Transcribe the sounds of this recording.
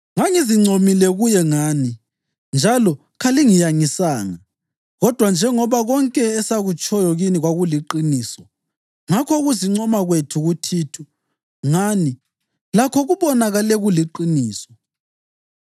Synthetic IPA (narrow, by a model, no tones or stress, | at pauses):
ŋaŋiziŋ͡ǀʱomilɛɣujɛŋaːni | nd͡ʒʱalɔ | kʰaliŋijaŋisaːŋa | ɣɔd̥ʱwand͡ʒʱɛŋɔβaɣɔŋkʼɛːsaɣut͡ʃʼʰɔjɔɣiniɣwaɣuliǃiniːsɔ | ŋakʰɔɣuziŋ͡ǀɔmaɣwetʰuɣutʰiːtʰu | ŋaːni | lakʰɔɣuβɔnaɣalɛɣuliǃiniːsɔ̥